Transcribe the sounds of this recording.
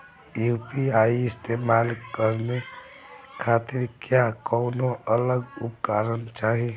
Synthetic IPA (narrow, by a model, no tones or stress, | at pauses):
jupiaiɪst̪emalkəɾne | kʰat̪iɾkjakɔʊnoʔələɡupkaɾənt͡ʃaɦi